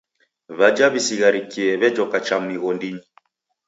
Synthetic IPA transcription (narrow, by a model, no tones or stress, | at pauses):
βad͡ʒaβisiɣaɾikiɛβɛd͡ʒɔkat͡ʃam̩niɣɔndiɲi